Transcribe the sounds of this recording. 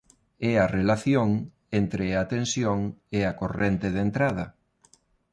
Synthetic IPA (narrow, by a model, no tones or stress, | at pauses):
ɛɐrelaθjoŋ | ent̪ɾeat̪ensjoŋeakorent̪eðent̪ɾaðɐ